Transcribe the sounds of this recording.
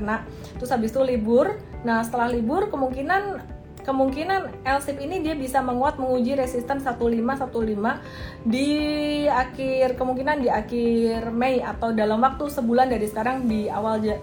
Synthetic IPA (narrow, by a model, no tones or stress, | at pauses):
na | t̪usabist̪ulibʊrnahsə̥t̪əlahlibʊrkəmuŋkinan | kəmuŋkinanɛlsɪpinidiabisaməŋuat̪̚məŋud͡ʒiɾesist̪ənsat̪ulimasat̪ulima | di | akɪrkəmuŋkinandiakɪrmejat̪awdalamwak̚t̪usəbulandaɾisə̥kaɾaŋdiawald͡ʒa